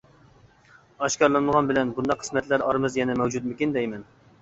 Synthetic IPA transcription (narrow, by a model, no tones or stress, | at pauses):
ɑʃkʲɑɾlˠɨnɨmʁɑnbɪlɛnbund̪ɑqʰːə̥smɛt̪ʰlæɾɑɾmɨzjɛnɛmɛwd͡ʒut̪̚mɪkʲind̪ɛjmɛn